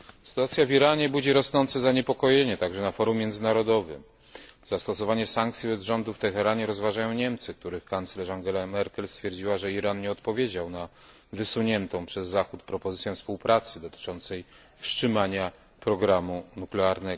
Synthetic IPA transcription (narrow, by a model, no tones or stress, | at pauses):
st̪uat̪sʲjaviɾaɲɛbud͡ʑiɾɔsnɔnt̪sɛzaɲepɔkɔjeɲɛt̪aɡʐɛnafɔɾumʲːjɛnd̪zɘnaɾɔd̪ɔvɘ̰ | z̥ast̪ɔsɔvaɲɛsaŋk̚t̪sʲjiɛd̪ʐɔnd̪uft̪ɛxɛɾaɲɛɾɔzvaʐajɔ̃w̃ɲɛmt̪sɘk̚t̪uɾɘxkant̪slɛʐaŋɡɛlamɛɾkɛlst̪fʲjɛɾd͡ʑiwaʐɛiɾanɲɛɔt̪pɔvʲjed͡ʑawna | vɘsuɲɛnt̪ɔ̃w̃pʂɛzːaxut̪pɾɔpɔzɘt̪sʲjɛfspuwpɾʔat̪sɘd̪ɔt̪ɘ̥t͡ʂɔnt̪sɛj | fʂt͡ʂɘmaɲa | pɾɔɡɾamunuklɛaɾnɛ